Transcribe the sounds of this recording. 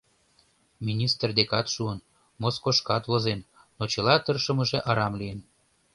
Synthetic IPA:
mʲinʲist̪rd̪ekɑt̪ʃuən | moskoʃkɑt̪βozen | not͡ɕə̆lɑt̪ərʃə̆mə̆ʒeʔɑɾɑmlijən

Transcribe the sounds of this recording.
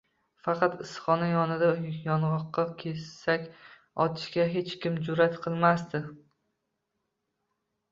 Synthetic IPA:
fɑqʰɑt̪ɪsχɒnajɒnɪd̪ajɒnʁɒqːɑkʲʰe̞sakʲ | ɒt̪ʰɪ̥ʃkʲaɦe̞t͡ʃkʲɪmd͡ʒʊɾat̪qʰɨlˠmast̪ɪ

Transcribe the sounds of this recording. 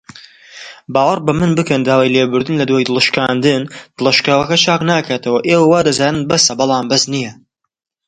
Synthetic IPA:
baːwɐrbɐmɨnbɨkɐnd̪aːwaːjlebɨɾd̪ɨnlɐd̪waːjd̪ɨlˠɨʃkaːnd̪ɨnd̪̥ɨlˠɐʃkaːwɐkɐt͡ʃʰaːknaːkʰaːt̪ʰɐwɐʔeːwɐwaːd̪ɐzaːnɨnbɐsɐbɨlˠaːmbɐznijɐ

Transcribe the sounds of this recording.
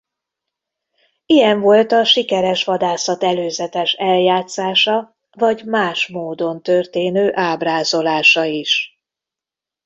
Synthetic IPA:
ijɛɱvo̞lt̪ɒʃikɛɾɛʃʋɒd̪aːsɒt̪ɛløːzɛt̪ɛʃɛljaːt̪saːʃɒ | vɒɟmaːʃmoːd̪o̞nt̪ørt̪eːnøːʔaːbraːzo̞laːʃɒiʃ

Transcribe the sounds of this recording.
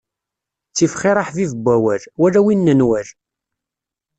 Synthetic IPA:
t͡sːifχɪɾˤɑħvivəbʷːæwæɾwæɾæwinːənwæɾ

